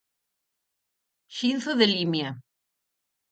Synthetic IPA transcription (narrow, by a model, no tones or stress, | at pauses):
ʃinθoðelimja